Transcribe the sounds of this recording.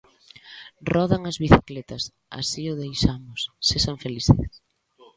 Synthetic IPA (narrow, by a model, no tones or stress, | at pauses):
rɔðaŋɐzβiθiklet̪ɐs | a̰siʊðejʃamʊsːesaɱfeliθes